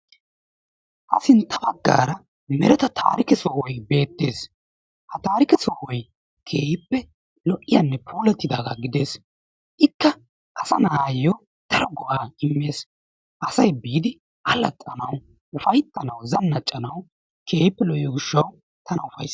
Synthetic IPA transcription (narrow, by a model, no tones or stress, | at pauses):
ʔɐ̰sɪnt̪ʰɐbɐɡːa̰ːɾɐ | mɛɾɛt̪ɐt̪ʰa̰ːɾɪkɛsɔwɔjbe̞ːt̪ːe̞ːs | hɐt̪aːɾɪkɛsɔwɔj | kʰe̞ːhɪpːɛ | lɔʔɪjɐnːɛpʰuːlɛt̪ːɪd̪aːɡa̰ɡɪd̪e̞ːs | ʔɪkːɐ | ʔɐsɐnaːjɔ | d̪̥ɐɾɔɡɔʔaːɪmːe̞ːs | ʔɐsɐjbiːd̪ɪ | ʔɐlɐt̪ʼːɐnɐw | ʊfɐjt̪ːɐnɐwzɐnːɐt͡ʃʼːɐnɐw | kʰe̞ːjɪpːɛlɔʔɪɔɡɪʃːɐw | t̪ɐnɐʊfɐ̰js